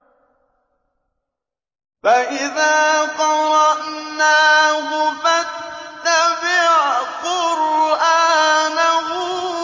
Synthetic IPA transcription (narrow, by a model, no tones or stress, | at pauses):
faʔɪðaːt̪ˤɑɾˤɑʔnaːɦʊfatːabɪʕqʊɾʔaːnaɦʊ